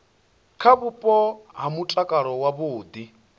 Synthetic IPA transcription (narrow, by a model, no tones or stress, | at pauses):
kʰaβupʼɔɦamut͡ɬʼakʼaɾɔwaboːd̪i